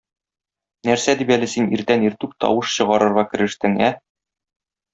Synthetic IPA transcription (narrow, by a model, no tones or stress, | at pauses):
næɾsæd̪ipælɘsiniɾt̪æniɾt̪ʉp̚t̪ɒ̰wɤʃɕɤ̆ʁɑɾɤ̆ɾʁɑkɘ̆ɾɘ̆ʃt̪ɘŋæ